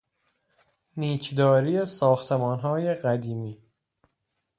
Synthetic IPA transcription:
niːcʰd̪ɒːɾiːesɒːxt̪ʰe̞mɒːnɦɒːje̞ɢæd̪iːmiː

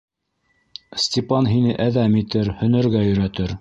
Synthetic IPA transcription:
sʲtʲɪpɑnɦinɘʔæðæmit̪ɘɾhɵ̆nɘ̆ɾɡæjɵ̆ɾæt̪ɘɾ

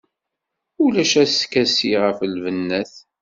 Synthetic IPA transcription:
ulæʃæskæsiʁəfəlvənːæθ

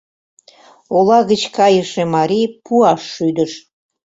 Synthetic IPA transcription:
olɑɣət͡ɕkɑjəʃemɑɾipuɑʃːyd̪əʃ

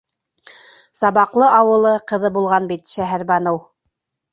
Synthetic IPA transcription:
sɑβɑqlˠɤʔɑwɤ̆lˠɤqɤ̆ðɤbulˠʁɑnbit̪ʃæɦæɾbɑnow

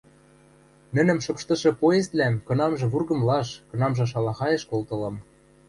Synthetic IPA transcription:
nɘ̆nɘ̆mʃɤ̆pʃt̪ɤ̆ʃɤ̆poezlæmkɤ̆nɑmʒɤ̆βurɣɤ̆mlɑʃkɤ̆nɑmʒɤ̆ʃ̬ɑlɑxɑjĕʃkolt̪ɤ̆lɤ̆m

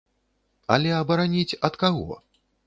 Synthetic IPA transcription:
ɐ̰lʲɛɐbɐɾanʲit͡sʲɐt̪kaɣɔ̰

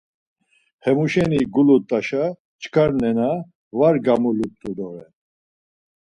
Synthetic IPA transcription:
hɛmuʃɛniɡulut̪ʼaʃa | t͡ʃʰʼkʰaɾnɛna | vaɾɡamulut̪ʼud̪ɔʁɛn

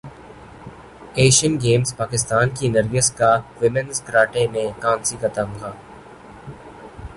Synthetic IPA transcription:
eːʃənɡeːmzpaːkɪst̪aːnkinəɾɡɪskaʋɪmə̃nzkɾaːʈemẽkãːnsikɐt̪əmɡaː

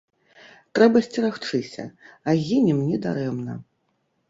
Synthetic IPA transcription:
t̪ɾɛbɐsʲt͡sʲiɾaxt͡ʂɨsʲɐ̰aɣʲinʲɛmnʲɛd̪a̰ɾɛmnɐ̰

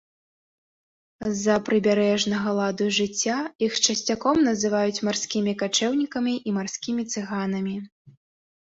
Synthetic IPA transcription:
zɐpɾɨbʲaɾɛʐnɐɣɐlˠad̪uʐɨt͡sʲːaixt͡ʂɐsʲt͡sʲakɔmnɐzɨvajut͡sʲmarsʲkʲimʲikat͡ʂɛwnʲikɐmʲiʔimarsʲkʲimʲit̪sɨɣan̪ɐmʲi

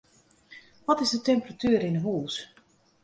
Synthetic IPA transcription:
ʋɔtɪzdətɛmpəratyːɾɪnəɦuːs

